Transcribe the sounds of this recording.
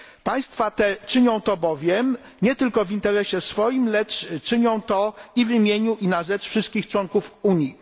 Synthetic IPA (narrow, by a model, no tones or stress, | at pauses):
paj̃st̪fat̪ɛt͡ʂɘɲɔ̃w̃t̪ɔbɔvʲjɛm | ɲɛt̪ɘlkɔvint̪ɛɾɛɕɛsfɔjimlɛt͡ʂt͡ʂɘɲɔ̃w̃t̪ɔivimʲjeɲuʔinaʐɛt͡ʂfʂɨst̪kʲixt͡ʂwɔŋkufuɲji